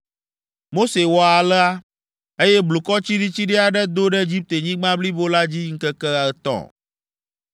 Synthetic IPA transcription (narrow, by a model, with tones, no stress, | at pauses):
mo˦se˨wɔ˦a˨lɛ˦a˦ | e˦jɛ˦blu˨kɔ˦t͡ɕi˦ɖi˦t͡ɕi˦ɖɛ˦a˨ɖɛ˦d̪o˦ɖɛ˦e˦d͡ʑi˦p̚t̪e˨ɲĩ˦ɡ͡bã˦bli˦bo˦la˦d͡ʑi˦ŋ̩˦kə˦kɛ˦a˨t̪ɔ̰̃˨